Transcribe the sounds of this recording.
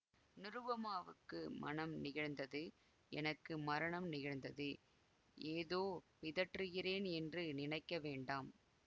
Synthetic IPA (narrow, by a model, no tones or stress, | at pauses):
nɪɾɯʋɐmaːʋɯkːɯmɐ̰nɐmnɪɣɐɭnd̪ɐðɯ | ɛ̰nɐkːɯmɐɾɐɳɐmnɪɣɐɻnd̪ɐðɯ | ʔeːðoːʋɪðɐʈrɯɣɪreːnɛndrɯnɪnɐɪkːɐʋeːɳɖaːm